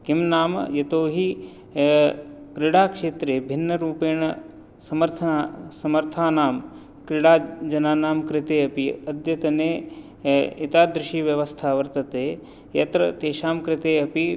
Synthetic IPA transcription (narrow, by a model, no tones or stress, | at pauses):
kimnaːm̰jɐt̪oːɦi | kɾɪɽaːkʂeːt̪ɾeːbʱɪnːɐɾuːpeːɳɐ | sɐmɐɾt̪ʰɐasɐmɐɾt̪ʰaːnaːm | kɾɪɽaːd͡ʒɐnaːnaːmkɾɪt̪eːɐpiɐd̪jɐt̪ɐneː | it̪aːd̪ɾɪʃiʋjɐʋɐst̪ʰaːʋɐɾt̪ɐt̪eː | jɐt̪ɾɐt̪eːʃaːmkɾɪt̪eːɐpi